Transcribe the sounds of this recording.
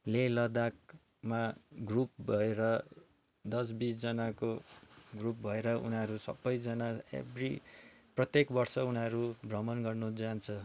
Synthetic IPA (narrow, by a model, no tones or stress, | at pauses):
lelʌd̪ak̚ | maɡrup̚bʱʌeɾʌ | d̪ʌs̬bit͡sd͡zʌnakoɡrup̚bʱʌeɾʌṵnʌɾusʌ̰bːʌjd͡zʌnaḛbrḭprʌt̪jekbʌrsʌunʌɾubrʌmʌnɡʌrnod͡zant͡sʰʌ